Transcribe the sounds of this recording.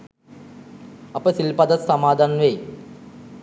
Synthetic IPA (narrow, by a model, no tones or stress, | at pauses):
ɐpəsilpad̪asːamaːd̪anʋej